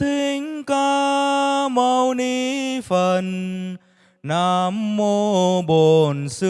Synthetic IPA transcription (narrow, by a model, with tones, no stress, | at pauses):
t̪i˧ŋka˧ | mə˧wni˧fə˧˨˩n | a˧mːo˧ɓo˨˩nsɨ˧